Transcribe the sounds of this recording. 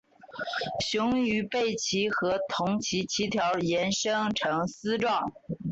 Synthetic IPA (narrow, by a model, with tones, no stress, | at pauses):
ɕʊ˧˥ŋy˧˥pe˥˩ɪt͡ɕʰi˧˥xɤ˧˥t̪ʰʊ˧˥ŋt͡ɕʰi˧˥t͡ɕʰi˧˥t̪ʰjɑ˧˥ʊjɛ˧˥nʂɤ˥ŋʈ͡ʂʰɤ˧˥ŋsɹ̩˥ʈ͡ʂwɑ˥˩ŋ